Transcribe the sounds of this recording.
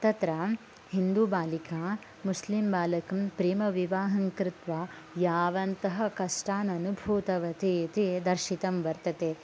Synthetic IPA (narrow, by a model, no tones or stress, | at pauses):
t̪ɐt̪ɾɐ | hind̪uːbaːlikaː | muslimbaːlɐkɐmpɾiːmɐʋiʋaːɦɐŋkɾɪt̪ʋa | jaːʋɐnt̪ɐɦɐkɐʂʈaːnɐnubʱuːt̪ɐʋɐt̪eːt̪ed̪ɐɾʃit̪ɐmʋɐɾt̪ɐt̪e